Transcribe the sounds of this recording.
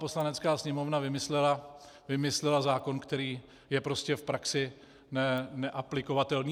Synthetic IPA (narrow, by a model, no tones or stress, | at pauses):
po̞slanɛt͡skaːsɲɛmo̞vnavɪmɪslɛla | vɪmɪslɛlazaːko̞nkt̪ɛɾiː | jɛpɾo̞scɛfpɾaksɪ | nɛnɛʔaplɪko̞vat̪ɛlniː